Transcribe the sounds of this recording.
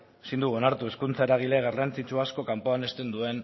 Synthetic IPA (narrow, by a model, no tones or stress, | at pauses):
sind̪uɣonaɾt̪ue̞skunt͡saeɾaɣ̞ile̞ɣarant͡sit͡ʃuasko̞kampo̞ane̞st̪e̞nd̪ue̞n